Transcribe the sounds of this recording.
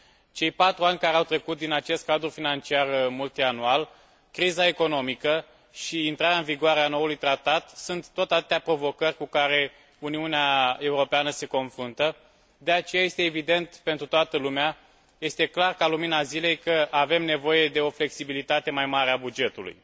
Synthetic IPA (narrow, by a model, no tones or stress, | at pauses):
t͡ʃe̞jpat̪ɾuanʲkaɾeawt̪ɾe̞kut̪̚d̪inat͡ʃe̞st̪̚kad̪ɾufinant͡ʃiarmult̪ianual | kɾizae̞ko̞no̞mikə | ʃiːnt̪ɾaɾaɨnviɡʊaɾeano̞ulujt̪ɾat̪at̪sunt̪ːot̪at̪t̪eapɾo̞vo̞kərʲkukaɾe̞ | uniuneae̞uɾo̞peanəse̞ko̞nfɾunt̪ə | d̪e̞at͡ʃe̞jaje̞st̪e̞ːvid̪e̞nt̪pe̞nt̪ɾut̪oat̪əlumea | je̞st̪e̞klarkaluminazile̞jkəʔave̞mne̞vo̞je̞d̪e̞o̞fle̞ksibilit̪at̪e̞majmaɾeabud͡ʒe̞t̪ulṵj